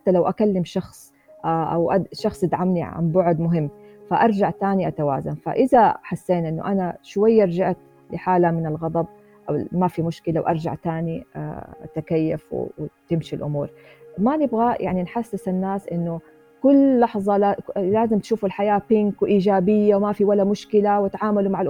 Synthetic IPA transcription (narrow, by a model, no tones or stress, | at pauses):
ħat̪ːalawʔakalːɪmʃɑxsˤ | ʔaʔa̰wʔaʃɑxsˤɪd̪ʕamniʕa̰mbʊʕʊd̪mʊɦɪmːfaʔɑɾˤd͡ʒaʕt̪aːniʔat̪awa̰ːzanfa̰ʔɪzaħasːeːnʔɪnːʊ̰ʔanaʃwajːaʔɑɾˤd͡ʒaʕt̪̚ | lɪħaːlamɪnɪlɣɑd̪ˤɑb̚ | ʔamafimʊʃkɪlawʔɑ̰ɾˤd͡ʒa̰ʕt̪aːnḭa̰t̪akajːafw̰t̪ɪmʃilʔʊmṵːɾmanɪbɣaja̰ʕninħasːɪsanːaːsʔɪnːʊ | kʊlːɑħzˤɑlaːzɪmt̪ʃuːfalħajaːpɪŋkwʔiːd͡ʒaːbɪjːawmafiwalːamʊʃkɪlawat̪ʕaːmalumaʕalʔ